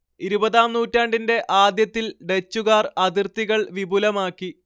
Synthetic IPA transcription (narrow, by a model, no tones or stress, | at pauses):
iɾubɐðaːmnuːtːaːɳɖinde̞ʔaːd̪jɐt̪ːilɖe̞t͡ɕːuɣaːrɐd̪irt̪iɣɐɭʋibulɐmaːkːi